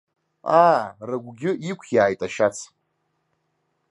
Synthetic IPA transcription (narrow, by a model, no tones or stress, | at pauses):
aːraɡʷɡʲɪikʷʰjaːjtʼaʃat͡sʰ